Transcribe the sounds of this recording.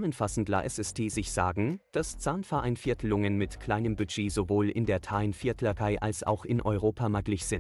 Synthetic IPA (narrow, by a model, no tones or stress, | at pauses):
mənfasn̩tla̰ʔɛsɛsd̥ʰeːzɪçz̥aːɡŋ̩d̥ast͡saːnfɛɐʔaɪnfɪɐtʰlʊŋənmɪtkʰl̥aɪnəmbyd͡ʒeːzovoːlʔɪ̰ndeːɐtʰaɪnfɪɐtʰlɐʁaɪʔa̰lsa̰ʊxɪnʔɔʏʁoːpʰamaɡlɪçz̥ɪn